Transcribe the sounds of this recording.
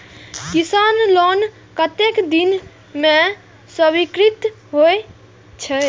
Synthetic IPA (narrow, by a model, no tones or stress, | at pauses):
kisanlon | kət̪ekd̪in | me | səbikɾit̪ | ɦoe | t͡ʃʰɛ